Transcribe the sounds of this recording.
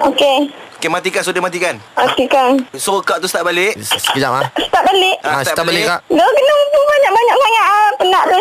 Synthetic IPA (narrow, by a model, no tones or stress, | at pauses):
okeokemat̪̬ikans̬odemat̪̬ikanmat̪ikansokaʔt̪usə̥t̪at̚balɪʔsəkəd͡ʒa̰lasə̥t̪at̚balɪʔast̪at̪abalɪkadokənəbaɲaʔ̚baɲaʔŋaʔŋaʔapənaʔt̪u